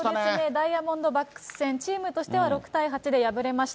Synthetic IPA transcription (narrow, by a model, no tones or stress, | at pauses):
desɨne̞d̪aijamõ̞nd̪o̞bakːɯ̟̥sɨ̥sẽ̞ɲt͡ɕiːmɯ̟t̪o̞ɕi̥t̪e̞β̞aɾo̞kɯ̟̥t̪aiɦat͡ɕid̪e̞jabɯ̟ɾe̞maɕi̥t̪a